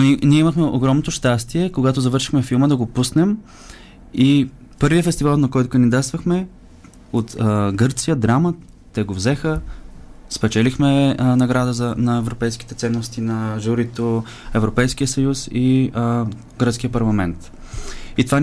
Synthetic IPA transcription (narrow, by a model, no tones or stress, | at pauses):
niɛiməxmɛʔoɡɾɔmnot̪oʃt̪ast̪iɛkoɡat̪ozɐvɤɾʃi̥xmɛfilˠməd̪ɐɡopusnɛm | i | pɤɾviəfɛst̪ivalˠnɐkɔjt̪ʊkənd̪id̪at̪st̪vəxmɛ | ot̪ɡɤɾt̪sijəd̪ɾamə | t̪ɛɡovzɛxə | spɛt͡ʃɛlixmɛnɐɡɾad̪əzɐnɐɛvɾopɛjski̥t̪ɛt̪sɛnːost̪inɐʒuɾit̪o | ɛvɾopɛjskijəsɐjusi | ɡɾət̪sk̟ijəpɐɾlˠɐmɛnt̪ | it̪ova